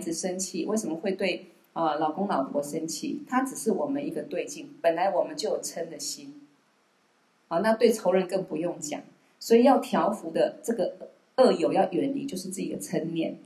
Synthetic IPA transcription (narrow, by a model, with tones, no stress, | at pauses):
d͡zɹ̩˨ʂə˥nt͡ɕʰi˥˩we˥˩ɪʂə˧˥mə˨˧xwe˥˧ɪt̪we˥˩ɪ | ə˧lɑ˨˩ʊkʊ˥ŋlɑ˨˩ʊpʰwɔ˧˥˦ʂə˥nt͡ɕʰḭ˥˩t̪ʰa˥ʈ͡ʂɻ̩˨˩ʂɻ̩˥˩wɔ˨˩mə˦ni˧˥ɡə˧t̪we˥˧ɪt͡ɕi˥˩ŋpə˨˩nla˧˥ɪwɔ˨˩mə˨˦nt͡ɕjo˥˩ʊjo˨˩ʊʈ͡ʂʰə˥nd̪ə˨ɕi˥n | ə˧na˥˧t̪we˥˩ɪʈ͡ʂʰo˧˥ʊɻə˧˥nkə˥˩ŋpu˧˦jʊ˥˩ŋt͡ɕja̰˨˩˦ŋ | swɔ˧˥i˨˩jɑ˥˩ʊt̪ʰjɑ˧˥ʊfu˧˥d̪ə˧ʈ͡ʂɤ˥˩ɡə˩ | ə˥˩jo˨˩ʊjɑ˥˩ʊʔɥɛ˧˥˩nlḭ˥˧˩t͡ɕjo˥˧ʊʂɻ̩˥˧t͡sɹ̩˥˩t͡ɕi˨d̪ə˦t͡sʰə˥nljɛ˥˩n